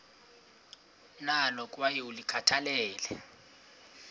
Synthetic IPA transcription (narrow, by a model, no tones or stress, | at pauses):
nalɔkʼwajiulikʰatʰalɛːlɛ